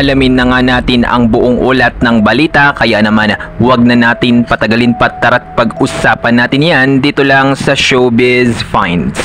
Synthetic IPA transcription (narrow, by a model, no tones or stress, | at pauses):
ʔɐlɐmɪnːɐŋanaːt̪ɪnɐ̰ŋbʊʔoŋʔolɐt̪̚nɐŋbɐliːt̪ɐkɐjanɐmanwɐɡ̚nɐnaːt̪ɪnpɐt̪ɐɡɐlɪnpɐt̪ːɐɾɐt̪̚pɐɡʔʊsaːpɐnːaːt̪ɪnjand̪iːt̪olɐŋsɐʃobɛzfajnd̪s